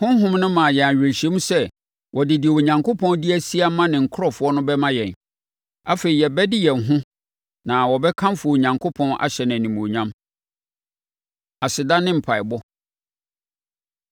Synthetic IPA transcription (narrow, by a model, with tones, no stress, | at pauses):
hʊ̃˦ɦʊ̃˦mnʊ̃˦mã˨jɛ˨a˨ɥᶣɪ˨ɕɛ̃˦mu˦sɛ˦ | wʔɔ˨dɪ˨dɪ˨e˨wo˨ɲã˨ŋkʰo˦pʰɔ̃˦ndi˦æ˦si˦a˦mã˦nɪ̃˨ŋ̩˨kʰɾɔ˦fʊ˨˦ɔ˦nʊ̃˦bɛ˦mã˦jɛ̃˨n | a˦fe˨ɾi˨jɛ˨bɛ˦dɪ˦jɛ˨n˨ɦʊ̃˦ | nã˨wɔ˨bɛ˦kʰã˦m˦fʊ˨ɔ˨o˨ɲã˨ŋkʰo˦pʰɔ̃˦na̰˨ɕɛ˨ñ˨nĩ˨mo˨ɲã˦m | a˨sɪ˨dã˦nɪ̃˦m̩˨pʰa˨ɪ˨bɔ˦